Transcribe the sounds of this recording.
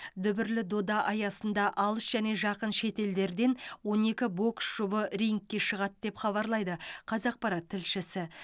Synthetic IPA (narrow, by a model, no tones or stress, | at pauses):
d̪ʏbɪɾlɪd̪o̞d̪ɑʔɑjɑsənd̪ɑʔɑlˠəsʒ̥æne̞ʒɑqənʃe̞t̪e̞ld̪e̞ɾd̪e̞nwo̞ne̞kʲɪbo̞ksʒ̥ʊbəɾʲijŋkʲːe̞ʃəʁɑt̪̚d̪e̞pχɑβɑɾlˠɑjd̪əqʰɑzɑq̚pɑɾɑt̪ʰːɪlʃɪsɪ